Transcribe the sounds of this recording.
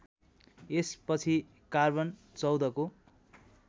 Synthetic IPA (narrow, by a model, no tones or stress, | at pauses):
espʌt͡sʰi | karbʌn | t͡sʌwd̪ʌko